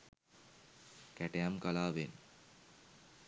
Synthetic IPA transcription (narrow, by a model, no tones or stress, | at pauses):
kæʈejamkalaːʋen